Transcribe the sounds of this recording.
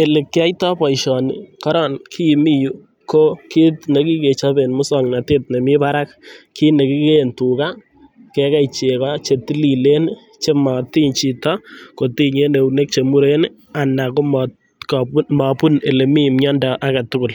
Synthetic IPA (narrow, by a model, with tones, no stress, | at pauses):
e˨le˨kːɪ˦a˦jtɔ˦pɔ˨ɪʃɔ˨nɪ̰kɔ˦ɾɔ˨nkʰi˦˨mi˦ju˦ | ko˦ki˦tne˨˦ki˦ke˨t͡ʃa˦be˨nmʊ˦sɔŋna˨te˦t̚ne˨mɪ˦pa˦ɾa˦k̚ki˦ne˨ki˦kentu˨ka˦ | kɛ˦ka˦ɪt͡ʃe˨kɔt͡ʃe˨ti˦li˨le˦n | t͡ʃe˦ma˨ti˦ɲt͡ʃi˨tɔ˦ko˨ti˦ɲe˦ne˨une˦k̚t͡ʃe˨mu˦ɾe˦n | a˨na˨ko˦m | kɔma˨pʊ˦ne˨le˨mi˦mɲɔ˦ndɔ˨ʔa˦ka˨tʊ˦kʊ˨l